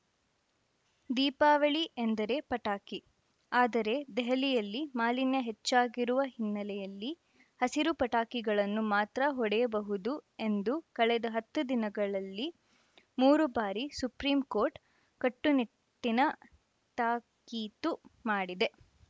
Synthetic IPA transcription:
d̪iːpaːʋɐɭiʔend̪ɐɾe̞ːpɐʈaːki | aːd̪ɐɾe̞d̪ɛɦɐlijɐlːimaːlinjɐɦet͡ʃːaːɡiɾuʋɐɦinːɐlɛjɐlːi | hɐsiɾupɐʈaːkiɡɐɭɐnːumaːt̪ɾɐɦɔɽɛjɐbɐɦud̪ue̞nd̪ukɐɭɛd̪ɐɦɐt̪ːud̪inɐɡɐɭɐlːi | muːɾubaːɾisupɾiːmko̞ːɾʈ | kɐʈːuni | ʈːinɐ | ʈaːkiːt̪umaːɽid̪e̞

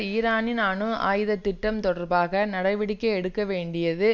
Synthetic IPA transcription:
iːɾaːnɪnaːɳɯa̰ːjɯðɐt̪ːɪʈːɐmt̪ɔɽɐɾbaːɣɐnɐɽɐɪʋɪɽɪkːɐɛɽɯkːɐʋeːɳɖɪjɐðɯ

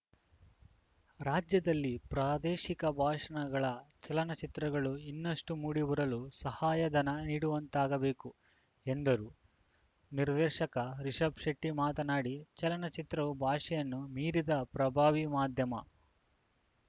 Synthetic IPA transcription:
ɾaːd͡ʒjɐd̪ɐlːipɾaːd̪eːʃikɐbʱaːʂɐɳɐɡɐɭɐt͡ʃɐlɐnɐt͡ʃit̪ɾɐɡɐɭuinːɐʂʈumuːɽibɐɾɐlusɐhaːjɐd̪ɐnɐniːɽuʋɐnt̪aːɡɐbe̞ːku | end̪ɐɾu | niɾd̪eːʃɐkɐɾiʂɐbʂɐʈːimaːt̪ɐnaːɽit͡ʃɐlɐnɐt͡ʃit̪ɾɐʋubʱaːʂɛjɐnːumiːɾid̪ɐpɾɐbʱaːʋimaːd̪ʱjɐmɐ̰

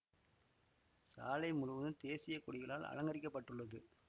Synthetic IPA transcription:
sa̰ːlɐɪmʊɻʊʋɐðɯnt̪eːsɪjɐkʊɽɪɣɐɭaːlɐ̰ɻɐŋɡɐɾɪkːɐpːɐʈːɯɭːɐðɯ

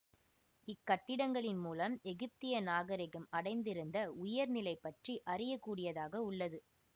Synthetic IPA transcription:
ɪkːɐʈːɪɽɐŋɡɐɭɪnmuːlɐmɛɣɪp̚t̪ɪjɐnaːɣɐɾɪɣɯmɐɽɐɪnd̪ɪɾɯnd̪ɐʊjɐɾnɪlɐɪpːɐʈriʔɐrɪjɐkːuːɽɪjɐðaːɣɐʊɭːɐðɯ

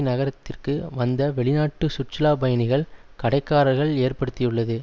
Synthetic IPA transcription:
nɐɣɐɾɐt̪ːɪrkɯʋɐnd̪ɐʋɛɭɪnaːʈːɯsʊt͡ʃːɐlaːbɐjɐnɪɣɐɭ | kɐɽɐɪkːaːɾɐɾɣɐɭeːrpɐɽɯt̪ːɪjɯɭːɐðɯ

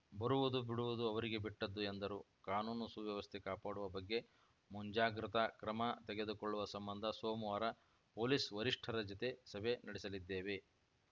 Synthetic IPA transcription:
bɐɾuʋud̪ubiɽuʋud̪uɐʋɐɾiɡe̞biʈːɐd̪ːuend̪ɐɾu | kaːnuːnusuʋjɐʋɐst̪ʰekaːpaːɽuʋɐbɐɡːe̞ | muɲd͡ʒaːɡɾit̪ɐkɾɐmɐt̪ɛɡe̞d̪ukoɭːuʋɐsɐmbɐnd̪ʱɐsoːmʋaːɾɐ | poːlisʋɐɾiʂʈʰɐɾɐd͡ʒɐt̪e̞sɐbe̞nɐɽisɐlid̪ːeːʋe̞

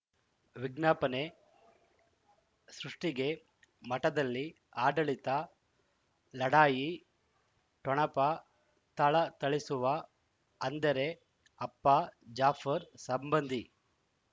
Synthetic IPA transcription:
ʋiɡnaːpɐne̞ | sɾuʂʈiɡe̞ | mɐʈɐd̪ɐlːi | aːɖɐɭit̪ɐ | lɐɽaːji | ʈɔɳɐpɐ | t̪ɐɭɐt̪ɐɭisuʋɐ | ɐnd̪ɐɾe̞ | ɐpːɐd͡ʒaːfʰɐɾsɐmbɐnd̪ʱi

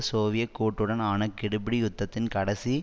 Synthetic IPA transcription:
soːʋɪjɐkːuːʈːɯɽɐnaːnɐkːɪɽɯbɪɽijʊt̪ːɐt̪ːɪnkɐɽɐsi

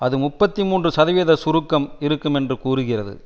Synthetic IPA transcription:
ɐðɯmʊpːɐt̪ːimuːndrɯsɐðɐʋeːðɐsʊɾʊkːɐmɪɾɯkːɯmɛndrɯkuːɾɯɣɪrɐðɯ̰

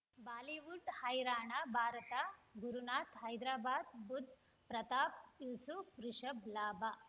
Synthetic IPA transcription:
baːliʋuɖhɐjɾaːɳabʱaːɾɐt̪aɡuɾunaːt̪ɦɐjd̪ɾaːbaːd̪̚bud̪ʱ | pɾɐt̪aːp̚jusukɾuʂɐblaːba

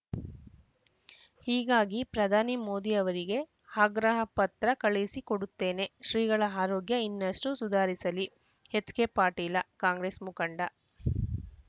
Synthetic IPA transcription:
hiːɡaːɡipɾɐd̪ʱaːnimoːd̪iɐʋɐɾiɡe̞ | haɡɾɐɦɐpɐt̪ɾɐkɐɭisikoɽut̪ːe̞ːne̞ʃɾiːɡɐɭɐaːɾɔːɡjɐinːɐʂʈusud̪ʱaːɾisɐli | het͡ʃːkepaːɾʈiːlɐkaːŋɡɾeːsmukɐɳɖɐ

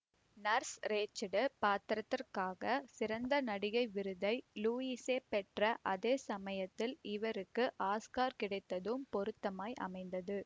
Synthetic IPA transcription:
nɐɾsɾeːt͡ʃːɐɽɯpaːt̪ɪɾɐt̪ːɪrkaːɣɐsɪɾɐnd̪ɐnɐɽɪɣɐɪʋɪɾɯðɐɪluːiːseːpɛʈrɐʔɐðeːsɐmɐjɐt̪ːɪlɪʋɐɾɯkːɯʔaːskaːɾkɪɽɐɪt̪ːɐðɯmpɔɾɯt̪ːɐmaːjʔɐ̰mɐɪnd̪ɐðɯ

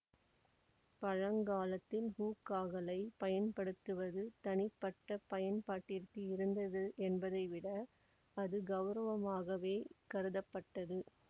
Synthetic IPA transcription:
pɐɻɐŋɡaːlɐt̪ːɪlhuːkːaːɣɐlɐɪpɐjɐnpɐɽɯt̪ːɯʋɐðɯt̪ɐnɪpːɐʈːɐpɐjɐnpaːʈːɪɾk̪iɪɾɯnd̪ɐðɯʔɛnbɐðɐɪʋɪɽɐ | ɐðɯɡɐʋɾɐʋɐmaːɣɐʋeːkɐɾɯðɐpːɐʈːɐðɯ

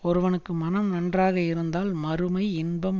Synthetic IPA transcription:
ɔɾɯʋɐnɯkːɯmɐnɐmnɐndraːɣɐɪɾɯnd̪aːlmɐɾɯmɐɪɪnbɐm

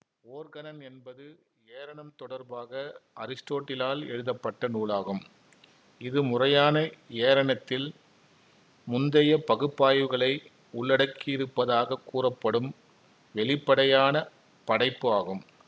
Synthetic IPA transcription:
oːɾɣɐnɐnɛnbɐðɯ | eːɾɐɳɐmt̪ɔɽɐɾbaːɣɐɐ̰ɾɪsʈoːʈːɪlaːlɛ̰ɻɯðɐpːɐʈːɐnuːɭaːɣɯm | ɪðɯmʊrɐjaːnɐeːɾɐɳɐt̪ːɪl | mʊnd̪ɐjɐpɐɣɯpːaːjɯɣɐɭɐɪ | ʊɭːɐɽɐkːɪɪɾɯpːɐðaːɣɐkːuːrɐpːɐɽɯm | ʋɛɭɪpːɐɽɐjaːnɐ | pɐɽɐɪpːɯaːɣɯm

